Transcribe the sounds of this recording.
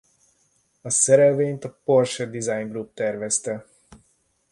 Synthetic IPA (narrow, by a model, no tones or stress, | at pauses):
ɐsɛɾɛʋeːnt̪ɔporʃɛd̪izajŋɡɾup̚t̪ɛɾʋɛst̪ɛ